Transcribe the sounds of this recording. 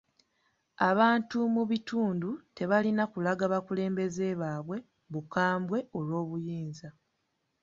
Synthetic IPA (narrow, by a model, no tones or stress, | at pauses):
aβaːntumuβituːndute̞βalinakulaɡaβakule̞ːmbe̞ze̞βaːβwe̞ | βukaːmbwe̞olwo̞ːβujiːnza